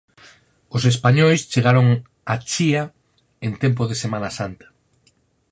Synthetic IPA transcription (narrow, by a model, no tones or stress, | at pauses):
osespaɲojst͡ʃeɣaɾoŋ | at͡ʃia | ent̪emp̬oðesemanasant̪ḁ